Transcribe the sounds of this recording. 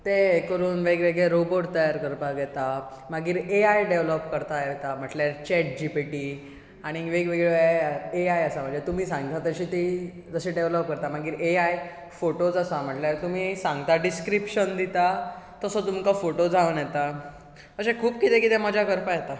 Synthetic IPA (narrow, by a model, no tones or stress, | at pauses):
t̪ekəɾuːnʋeɡʋeɡɭeɾoboʈ̚t̪əjaɾkəɾpaɡɛt̪a | maɡiːɾeajɖeʋlɔpkəɾt̪ajet̪am̤əʈljaɾt͡ɕɛʈ̚d͡ʑipiʈiː | aɽ̃iʋeɡʋeɡɭeeeeajəsam̤ad͡ʑet̪um̤iːsãŋɡt̪at̪əɕiːt̪i | d͡zəɕeɖeʋlɔp̚kəɾt̪am̤aɡiːɾeaj | foʈod͡zasam̤əʈljaɾt̪um̤iːsãŋɡt̪aɖiskɾipʂənd̪it̪a | t̪əsɔt̪umkafoʈod͡zʱaənjɛt̪a | əsekʰuːb̚kit̪ekit̪ɛmad͡ʑʱjakəɾpajet̪a